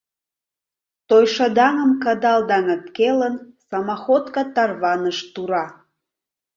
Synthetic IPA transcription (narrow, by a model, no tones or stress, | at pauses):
t̪ojʃɑd̪ɑŋəmkɑd̪ɑld̪ɑŋət̪kelənsɑmɑxot̪kɑt̪ɑrβɑnəʃt̪uɾɑ